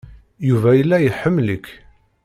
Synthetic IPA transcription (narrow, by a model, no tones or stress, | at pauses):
juvæjəlːæjəħəmːləkː